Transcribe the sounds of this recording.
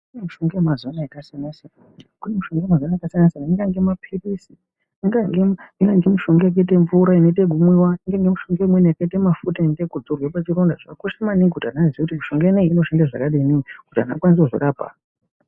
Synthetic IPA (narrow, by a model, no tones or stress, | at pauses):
kunemuʃoŋɡeemazonaakasianasena | kunemuʃo̞ŋɡoemazonajakasanasenaiŋɡaŋɡe̞mapʰirisi | iŋɡaŋɡeiŋɡaŋɡemuʃo̞ŋɡjak̬ait̬e̞ɱvuɾaine̞t̬eɡʱumwewaiŋɡaŋɡemuʃo̞ŋɡemweniakaitemafutainetekud͡zorwapat͡ʃiɾondaʐakakoʃamaniŋɡkutianaziekutimuʃo̞ŋɡeneŋːno̞ʃandaʐa̰kaɗeininikuta̰nakwans̬ekuʐo̰ɗaːpa̰